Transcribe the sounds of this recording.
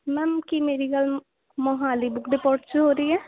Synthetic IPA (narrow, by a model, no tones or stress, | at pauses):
mɛ̃ːmkiːmeːɾiːɡəl | mɔɦaːliːbʊkʰd̪epɔːʈt͡ʃɦoːɾəiːɛː